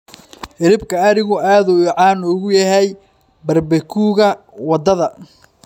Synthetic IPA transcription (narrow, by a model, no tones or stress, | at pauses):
hɪɾɪbkʰɐɐɾɪɣʊʔaːðuʕɑːnɔːɣʊjɐɦɛj | bɐrbɛkʰuːɣɐ | wɑd̪ɐðɐ